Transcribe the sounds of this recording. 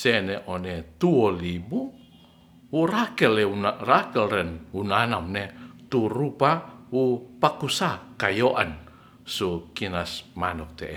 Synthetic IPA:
sɛneʔonet̪uɔlibu | wuɾakɛlɛunarakɛlɾɛnunanamnet̪urupawupakusakajoʔan | sukinasmanɔk̚t̪eʔ

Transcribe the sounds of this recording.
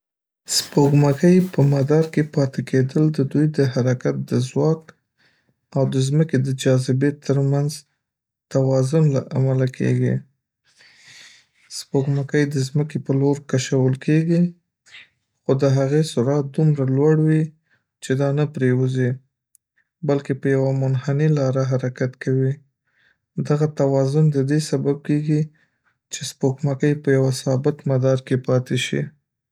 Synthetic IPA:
spoɡmakəjpəmad̪ɑɾkepɑt̪eked̪əld̪əd̪ujd̪əɦaɾakat̪̚d̪əzwɑk | awd̪əzməked̪əd͡ʒɑzɪbet̪ʰːəɾmanz | t̪awɑzʊnlaʔa̰malakʰḛɡḭ | spoɡmakəjd̪əzməkepəloɾkaʃawəlkʰeɡi | xod̪əɦaɣesʊɾat̪̚d̪umɾalwaɽwi | t͡ʃed̪ɑnapɾewuzi | balkepəjawamʊnhanilɑɾaɦaɾakat̪kʰawi | d̪aɣat̪awɑzʊnd̪əd̪esabab̚keɡi | t͡ʃespokmakəjpəjawasɑbɪt̪mad̪ɑɾkepɑt̪eʃḭ

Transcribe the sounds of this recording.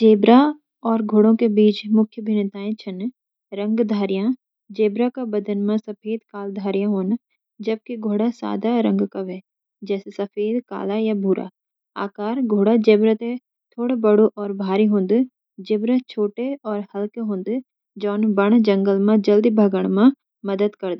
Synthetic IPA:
d͡ʒeːbɾa | ɔːɾɡʱoːɽõkebiːt͡ʃmʊkʰjəbʱɪnɪt̪aːẽt͡ʃʰɐn | ɾə̃ŋɡd̪ʱaːɾjã | d͡ʒeːbɾakabəd̪ənmẽsɐpʰeːd̪kaːld̪ʱaːɾijãɦoːn | d͡ʒɐb̚kiɡʱoːɽasa̰ːd̪aɾə̃ŋɡkɐʋe | d͡ʒɛːsesɐfʰeːd̪ka̰ːlajabʱuːɾʔa̰ː | a̰ːkaːɾɡʱoːɽad͡ʒeːbɾət̪e | t̪ʰoːɽebɐɽoʔɔːɾbʱaːɾiɦʊ̃ːnd̪ | d͡ʒeːbɾət͡ʃʰoːʈeɔːɾhɐlkeɦõːnd̪ | d͡ʒɔːnbɐɽ̃d͡ʒɐ̃ŋɡəlmãd͡ʒɐld̪ibʱɐɡəɽ̃mã | mɐd̪əd̪kɐɾd̪a

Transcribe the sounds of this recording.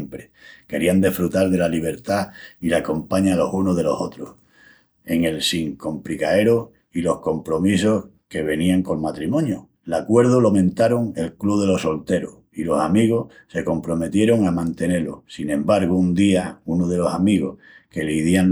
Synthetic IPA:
mpɾeke̞ɾiand̪efɾut̪aɾðe̞laliβ̞e̞ɾt̪ailako̞mpaɲalo̞sunoðe̞lo̞so̞t̪ɾoh | e̞ŋe̞lsiŋko̞mpɾikae̞ɾo | ilo̞hko̞mpɾo̞miso̞h | ke̞βe̞niaŋko̞lmat̪ɾimõ̞njo | lakwe̞ɾðulomẽ̞nt̪aɾoŋe̞lkluð̞e̞lo̞so̞lt̪e̞ɾoh | ilo̞samiɣ̞oh | se̞ko̞mpɾo̞me̞t̪je̞ɾo̞ŋamãnt̪e̞ne̞lo̰sinẽ̞mbaɾɣound̪iaunoðe̞lo̞samiɣo̞̰h | ke̞liiðian

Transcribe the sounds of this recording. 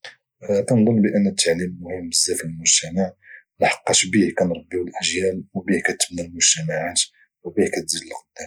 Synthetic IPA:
kænd̪ˤonːbəʔənːət̪ʰːaʕlimːʊhəmːəzːæfilmʊʒt̪æmaʕ | nħɑ̥qːɑʃbihkænɾˤɑbːiwəlʔəʒjælwbihkæt̪ːə̥bnælmʊʒt̪æmaʕat̪ | wbihkæt̪ziələlːqd̪æ

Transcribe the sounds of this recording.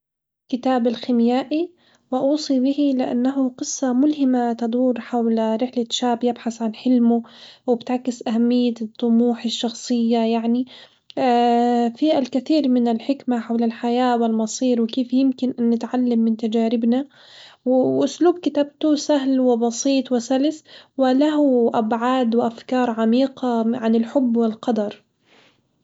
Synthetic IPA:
kɪt̪aːbɪlxɪmjaːʔi | wɪʔuːsˤibɪhilɪʔa̰nːaɦʊqɨsˤːɑmʊlhɪmat̪ad̪ˤuːɾħawlɾɪħlaʃaːbjɪbħasʕanħɪlmʊwɪbɪt̪ʕakːɪsʔaɦamːɪjːat̪ˤːʊmuːħɪʃːɑxsˤɨjːajaʕni | fiʔalkɪθiːɾmɪnɪlħɪkmaħawlɪlħajaːwɪlmɑsˤiːɾwɪkeːfjɪmkɪnʔanːɪt̪ʕalːamːɪnt̪ad͡ʒaːɾɪbna | wɪwʔʊsluːb̚kɪt̪ab̚t̪usaɦlwɪbɑsˤiːt̪ˤwɪsalɪswɪlaɦʊʔabʕaːd̪wɪʔafkɑːɾˤʕamiːqaʕanɪlħʊbːwɪlqɑd̪ɑɾˤ

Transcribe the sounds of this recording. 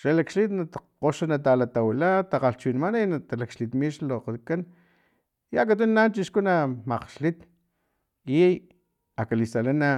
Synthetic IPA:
ʃalakʃlit̪nat̪qoʃanat̪̬alat̪awilat̪aqaɬt͡ʃwinimananat̪alakʃlit̪miʃloqakan | jak̬at̪̬unːant͡ʃiʃkunamaqʃlit̪ | ij | akalisalana

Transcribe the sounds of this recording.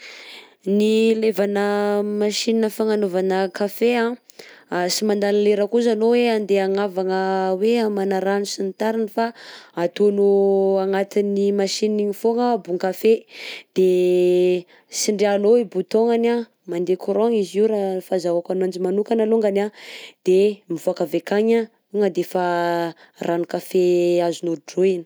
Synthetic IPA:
nilevanəmaʃininəfaŋanovanəkafeãasimand̪anileɾəkuzanoweand̪eaŋavaŋəweamanaɾanusinit̪aɾinifaat̪onuaŋat̪inimaʃiniiɲifoŋəbuŋkafed̪̥e | siɳɖ͡ʐeanoibut̪oŋana | mand̪ekuɾoŋiziɾafazawakanand͡ʒimanukanaloŋɡanad̪̥emivoakavekaɲa | uŋəd̪efa | ranukafeazunuɖ͡ʐoini̥

